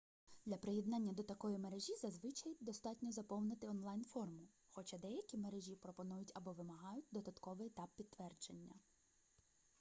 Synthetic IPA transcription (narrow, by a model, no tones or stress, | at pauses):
d̪lʲɐpɾɪjɛd̪nɑnʲːɐd̪ɔt̪ɐkɔjimeɾeʒʲizɐzʋɪt͡ʃɐjd̪ɔst̪ɑtʲnʲɔzɐpɔwnɪt̪ɪɔnlˠɑjnfɔrmʊ | xɔt͡ʃɑd̪ɛjɐkʲimeɾeʒʲipɾɔpɔnujʊtʲɐbɔʋɪmɐɦɑjʊt̚ʲd̪ɔd̪ɐt̪kɔʋɪɛt̪ɑpːʲid̪ːʋɛrd͡ʒenʲːɐ